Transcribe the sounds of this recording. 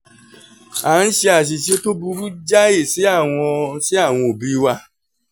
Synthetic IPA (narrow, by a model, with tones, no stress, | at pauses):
a˨˦n̩˦ʃe˧a˨ʃ̬i˨ʃe˧to˦bu˧ɾu˦d͡ʒa˦e˦˨si˨˦a˦˨w̃ɔ̃˧si˦a˦˨w̃ɔ̃˧o˨bi˨˦wa˧